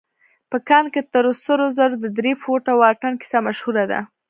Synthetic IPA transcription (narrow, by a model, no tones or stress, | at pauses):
pəkɑnket̪əɾosəɾozaɾod̪əd̪ɾefoʈawɑʈanki̥samaʃhuɾad̪a̰